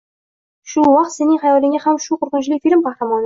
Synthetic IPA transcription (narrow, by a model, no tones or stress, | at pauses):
ʃuwɑq̚t̪se̞nɪŋχajɒlɪŋahamʃuqʰʊɾqʊnt͡ʃlɪkʲfilʲmqɑχɾamɒn